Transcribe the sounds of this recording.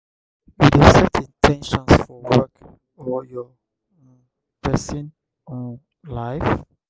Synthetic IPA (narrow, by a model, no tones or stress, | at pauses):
wudɛsɛtʰĩntʰɛ̃nʃɔ̃nsfɔwɛk | ɔjɔ | pɛsĩn | ɔ̃n | laɪf